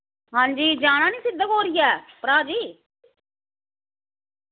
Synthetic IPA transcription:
ɦãːɲd͡ʒiːd͡ʒaːɽ̃ãːnĩːsɪd̪ːəkɦoːɾɪjaːpɾaːd͡ʒiː

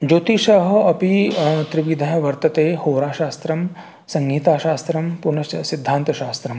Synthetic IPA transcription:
d͡ʒoːt̪iʃɐɦɐpit̪ɾiʋid̪ʱɐjɐʋɐɾt̪ɐt̪eːhoːɾaːʃaːst̪ɾɐm | sɐ̃ŋɡʱiːt̪aːʃaːst̪ɾɐmpunɐsid̪ʱːaːnt̪ɐʃaːst̪ɾɐm

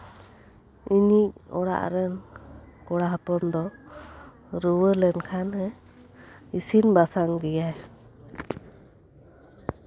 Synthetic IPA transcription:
iɲiʔɔɽa̰ʔɾɛnkɔɽaɦəpɔnd̪ɔ | ɾuwəlɛnkʰanɦɛ | isinbasaŋɡɛjaj

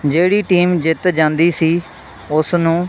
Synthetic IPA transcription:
d͡ʒeːɽiːʈiːmd͡ʒɪt̪d͡ʒãːnd̪iːsiː | ʊsnũː

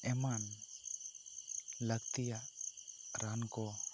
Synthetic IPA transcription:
ɛman | ləɡt̪ijaʔ | ɾankɔ

